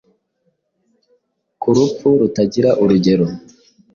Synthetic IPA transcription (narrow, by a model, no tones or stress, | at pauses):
kuɾup͡fuɾutaɟiɾaʔuɾuɟe̞ɾo